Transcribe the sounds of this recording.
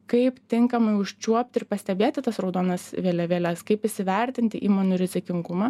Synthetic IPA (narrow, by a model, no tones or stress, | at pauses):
kɐɪpt̪ʲɪŋkɐmɐɪʊʃʲt͡ʃʲuɔp̚ʲt̪ɪɾpɐsʲt̪ʲɛbʲeːt̪ʲɪt̪ɐsɾɐʊd̪oːnɐsʋʲeːlʲɛʋʲeːlʲɛskɐɪpɪʃʲsʲɪʋʲɛɾʲt̪ʲɪnʲt̪ʲɪʔiːmoːnʲʊɾʲɪzʲɪkʲɪŋɡʊmɑː